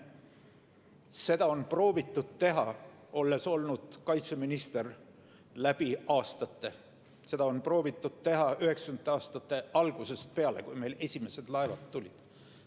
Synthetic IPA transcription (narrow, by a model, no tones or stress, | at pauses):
se̞d̪̥ɑo̞npro̞ːvit̪ːˑud̪̥̚t̪e̞ɦɑ | o̞lːe̞so̞lnud̪̥kɑjt̪se̞minist̪e̞r | læb̥iɑːst̪ɑt̪ːe̞ | se̞d̪ɑo̞npro̞ːvit̪ːˑud̪̥̚t̪e̞ɦɑyhe̞ksɑynːˑeɑːst̪ɑt̪ːˑe̞ʔɑlɡ̥use̞st̪̚pe̞ɑle̞̰kujme̞jle̞sʲime̞se̞d̪̥lɑevɑt̪t̪ːulʲid̪̥